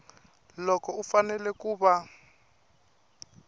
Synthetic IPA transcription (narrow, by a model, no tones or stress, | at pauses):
lɔkʰɔufanɛlɛkuːɓa